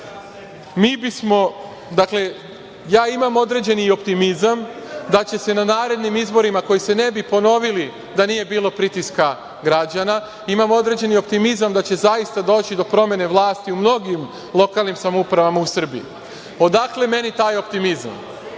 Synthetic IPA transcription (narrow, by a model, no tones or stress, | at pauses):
miːbismo̞ | d̪akle̞ | jaːimamo̞d̪ɾe̞d͡ʑe̞nio̞pt̪imizam | d̪at͡ɕe̞se̞nanaːɾe̞d̪nimizbo̞ɾimako̞jise̞ne̞bipo̞no̞ʋili | d̪anije̞biːlo̞pɾit̪iska | ɡɾad͡ʑana | imamo̞d̪ɾe̞d͡ʑe̞nio̞p̚t̪imizamd̪at͡ɕe̞zaist̪ad̪o̞ːt͡ɕid̪o̞pɾo̞me̞ne̞ʋlˠaːst̪iumno̞ɡim | lˠo̞kalˠnimsamoupɾaʋamausr̩bijḭ | o̞d̪akle̞me̞nit̪aːjo̞pt̪imiza̰m